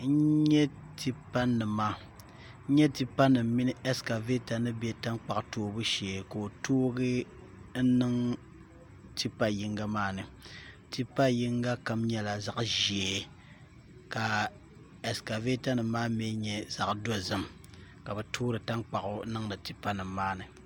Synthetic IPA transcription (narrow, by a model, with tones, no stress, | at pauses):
n̩˦ɲɛ˦ti˦pa˦nːɨ˨maː˦ | ɲɛ˦ti˦pa˦nːɨ˨m˦mi˦nɨ˦ɛ˦ska˨ve˦ta˨nɨ˦bɛ˦ta˦ŋk͡pa˨ʔtoː˨˦bu˦ʃɛ˨ko˨o˨toː˦ɡɨ˦ | n̩˦nɨ˦ŋ | ti˦pa˦ji˦ŋɡa˦maː˦nɨ˨ | ti˦pa˦ji˦ŋɡa˦ka˦mɲɛ˦la˨za˨ʔʒɛ˨ | ka˨ | ɛ˨ska˨ve˦ta˦nɨ˨mːaː˦m˦ɛ˦ɲɛ˦z̥a˨ʔdɔ˦zɨ˦m | ka˨bɛ˨tʰoː˦ɾɨ˨ta˦ŋk͡pa˨ʔʊ˦nɨ˦ŋnɨ˨ti˨pa˦nɨ˨mː˦aː˦nɨ˨